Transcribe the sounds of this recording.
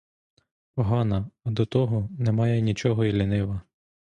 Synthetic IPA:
pɔɦɑnɐɐd̪ɔt̪ɔɦɔnɛmɑjɛnʲit͡ʃɔɦɔilʲinɪʋɐ

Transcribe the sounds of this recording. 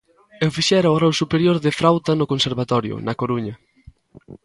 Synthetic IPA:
ewfiʃɛɾaorɾɛwsupeɾjoɾðɪfɾawt̪anʊkonseɾβat̪ɔɾjʊ̰nɐkoɾuɲɐ

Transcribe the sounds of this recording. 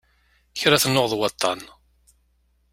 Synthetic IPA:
çɾaθnːoʁðˤwɑt̪ˤːɑn

